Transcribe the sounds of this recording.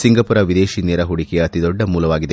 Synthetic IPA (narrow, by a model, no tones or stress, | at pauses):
siŋɡɐpuɾɐʋid̪eːʃineːɾɐɦuɽikeɐt̪id̪ɔɖːɐmuːlɐʋaːɡid̪e